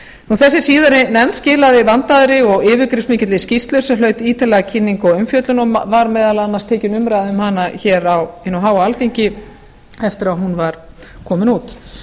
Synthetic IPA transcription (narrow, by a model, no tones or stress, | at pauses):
nnuθɛsːɪsiːðaɾɪnɛmt̪scɪːlaðɪvant̪aðɾɪɔɣɪːvʏkɾɪfmɪːcɪt̪lɪscist̪lœsʏlœɥt̪iːt̪alɛɣacʰɪnːiŋkɔʏmfjœːt̪lʏnɔvaɾmɛːðalaanːast̪ʰeːcɪnʏmɾajðʏmɦanaçɛːɾawɪnːuɦaːwaalθiɲcɪ | ɛft̪ɪɾaɦunvaɾ̥kʰɔːmɪnuːt̪